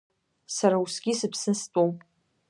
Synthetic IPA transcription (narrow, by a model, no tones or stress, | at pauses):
saɾausɡʲisɨpʰsɨstʼowpʼ